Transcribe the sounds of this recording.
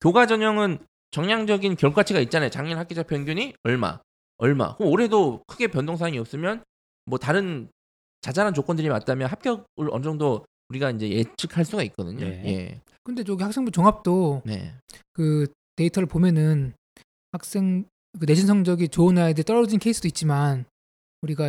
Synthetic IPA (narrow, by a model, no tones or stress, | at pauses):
kjoɡad͡ʑʌɲʌŋɯn | t͡ɕʌŋɲaŋd͡ʑʌɡinkjʌɭkʰwat͡ɕʰiɡait̚t͡ɕ͈anat͡ɕaŋɲiɭhak͈ed͡ʑapʰjʌnɡjuɲiʌɭma̰ | ʌɭma̰kɯmoɾe̞dokʰɯɡe̞pjʌndʰoŋs̬ʰaaŋiʌp̚s͈ɯmjʌn | mwʌtaɾɯn | t͡ɕad͡ʑaɾant͡ɕok͈wʌndɯɾima̰t̚t͈amjʌnɦap̚k͈jʌɡ̚ɯɾʌ̰nɯd͡ʑʌŋdo | uɾiɡaind͡ʑe̞je̞t͡ɕʰɯkʰaɭs͈uɡait̚k͈ʌdɯɲo̰je̞̰ | kɯnde̞t͡ɕoɡihaks͈ʰe̞ŋbut͡ɕoŋap̚t͈one̞̰kɯ | te̞itʰʌɾɯɭpomjʌnɯn | hak̚s͈e̞ŋ | kɯne̞d͡ʑʰinsʰʌŋd͡ʑʌɡit͡ɕonaedet͈ʌɾʌd͡ʑinkʰeis͈ʰɯd̥oit̚t͡ɕ͈iman | uɾiɡa